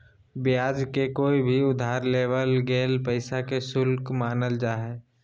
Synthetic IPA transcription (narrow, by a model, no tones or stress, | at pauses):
bɪjaːd͡ʒkekoːibʱiʊd̪ʱaːɾleːʋəlɡeːlpəɪsakesʊlkmaːnəld͡ʒaːɦɛː